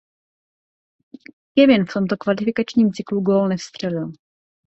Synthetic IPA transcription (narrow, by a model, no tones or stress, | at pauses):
kɛvɪnft̪omt̪okvalɪfɪkat͡ʃɲiːmt͡sɪkluɡoːlnɛfst̪r̝̥ɛlɪl